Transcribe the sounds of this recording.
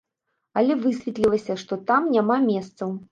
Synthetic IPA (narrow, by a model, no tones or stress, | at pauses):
ɐlʲɛvɨsʲvʲɛt̪lʲilˠɐsʲɐʂt̪ɔt̪amnʲamamʲɛst̪sɐw